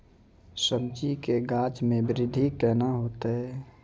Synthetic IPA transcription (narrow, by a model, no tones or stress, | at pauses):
səb̚d͡ʒikeɡaːt͡ʃmẽbɪɾɪd̪ʱːikɛːnaɦoːt̪eɦɛː